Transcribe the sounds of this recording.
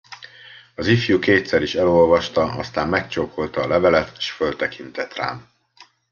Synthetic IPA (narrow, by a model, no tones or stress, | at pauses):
ɒzifjukeːt̪sɛɾiʃɛlo̞lvɒʃt̪ɒɒst̪aːmːɛkt͡ʃokʰo̞lt̪ɒːlɛvɛlɛt̪eʃfølt̪ɛkʰint̪ɛt̪ra̰ːm